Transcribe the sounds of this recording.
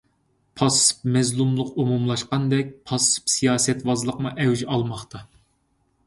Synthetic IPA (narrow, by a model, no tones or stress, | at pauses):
pʰɑsːɨ̥p̚mɛzlˠumlˠʊqumumlˠɑʃqɑnd̪ɛk̚ʲpʰɑsɨ̥psijɑːsɛt̪wɑzlˠəqmuʔɛwd͡ʒʔɑlˠmɑχt̪ʰɑ